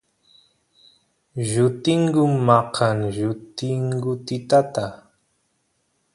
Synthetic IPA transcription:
ʒʊt̪ɪŋɡʊmmːɑqʰaŋʒʊt̪ɪŋɡʊt̪ɪt̪at̪a

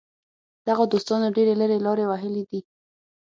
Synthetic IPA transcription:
d̪̥aɣad̪ost̪ɑnoɖeɾeləɾelɑɾewaɦəled̪i

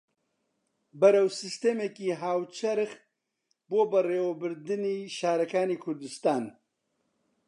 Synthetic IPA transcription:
bɐɾɐwsɨst̪eːmeːkiːɦaːwt͡ʃʰɐɾx | boːbɐreːwɐbɨɾd̪ɨniːʃaːɾɐkaːniːkʰʊɾd̪ɨst̪aːn

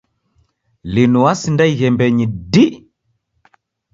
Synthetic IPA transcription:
linuwasindaiɣɛmbɛɲidi

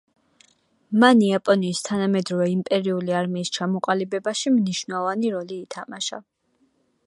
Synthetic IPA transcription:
maniapʼɔniːst̪ʰanamɛd̪ɾɔvɛimpʼɛɾiuliaɾmiːst͡ʃʰamɔqʼalibɛbaʃimniʃvnavaniɾɔliːt̪ʰamaʃa̰

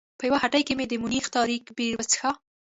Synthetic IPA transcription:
pəjawahaʈəjkemed̪əmʊnixt̪ɑɾikbiɾwət͡sə̥xa

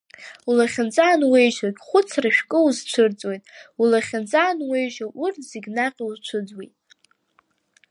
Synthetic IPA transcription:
ulaχʲant͡sʼaːnwe̞jʒakʲʼχʷʊt͡sʰraʃᶣkʼɨuzt͡ʃʷʰɨrt͡sʼwejtʼulaχʲɪnt͡sʼaːnwejʒaʔʊrtʰz̥iɡʲnaqʲʼiuzt͡ʃʷʰɨd͡zwejtʼ

